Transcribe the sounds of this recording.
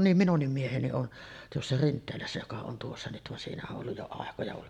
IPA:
nim minunːim mieheni on tuosːɑ rintˑeːlæsːæ jokɑ on tuosːɑ nyt ʋɑn siːnæ oʔ ʔolːuj jo ɑˑekojɑ ʋɑn

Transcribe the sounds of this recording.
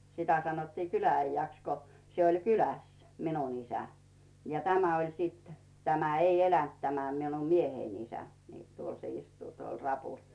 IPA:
sitæ sɑnotːiː kylææijːæks ko se olʲ kylæs minun isæ jɑ tæmæ olʲ siːt tæmæ ei elænt tæmæ minum miehein isæ niː tuol se istuː tuol rɑpuˑl

